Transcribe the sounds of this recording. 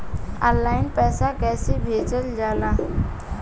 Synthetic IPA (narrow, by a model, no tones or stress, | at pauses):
ɔ̰̃ːlːaːɪnpɛːsakɛːsebʱeːd͡ʒəld͡ʒaːlaː